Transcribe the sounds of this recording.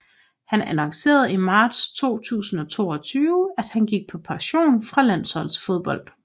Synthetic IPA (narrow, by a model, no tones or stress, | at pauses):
hænænɒŋse̝̰ːɐð̩ˠimɑ̈ːd̥st͡sʰo̝̰ːt͡sʰṵːsn̩ɒ̽t͡sʰo̝̰ːɒt͡sʰyːʊəæd̥hænɡ̥iɡ̥̚pʰɒ̽pʰɑ̈ɕo̝̰ːnfʁɑ̈læn̰sɒ̽l̰sfo̝ð̞ˠb̥ɒ̽l̰d̥